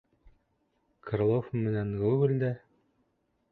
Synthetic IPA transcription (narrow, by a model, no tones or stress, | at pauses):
kʰrlˠofmːɘ̆nænɡʉɡɘ̆ld̪æ